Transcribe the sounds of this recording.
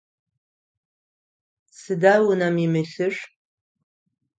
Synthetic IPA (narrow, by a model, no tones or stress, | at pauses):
sɨdawʊnamimɨɬɨʂ